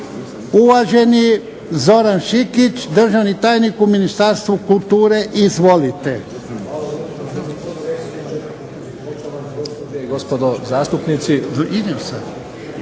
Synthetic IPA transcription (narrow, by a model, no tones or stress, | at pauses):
uʋaʒeni | zo̞ɾanʃikit͡ʃd̪r̩ʒaʋnit̪aːjnikuminist̪aɾst̪ʋukult̪uːɾeʔizʋo̞lit̪e | ɡospod̪ozaːst̪upnit̪siʔid̪iosad̪